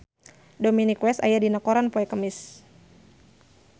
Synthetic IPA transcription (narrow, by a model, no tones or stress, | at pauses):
dominikwɛst̪ajadinakoɾanpoɛkəmɪs